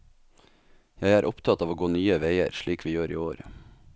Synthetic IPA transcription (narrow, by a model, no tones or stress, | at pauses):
jæɪæːɾʔʊpt̪ʰɑt̪ɑːʋoːɡoːnyːəʋeɪə̰ɾʃɭiːkʋiːjøːɾḭːoːɾ